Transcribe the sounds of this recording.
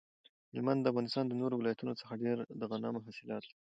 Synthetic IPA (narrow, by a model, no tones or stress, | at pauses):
hɪlmand̪ːəafɣɑnɪst̪ɑnd̪ənoɾowɪlɑjat̪unot͡sə̥xaɖeɾd̪əɣanɑmʊɦasɪlɑt̪i